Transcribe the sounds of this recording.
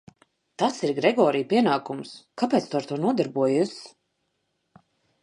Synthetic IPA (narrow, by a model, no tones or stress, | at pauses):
t̪at̪siɾɡɾɛɡɔːɾijpʲiɛnaːkumskapɛːt̪st̪uaɾt̪uɔnuɔd̪aɾbuɔjusʲ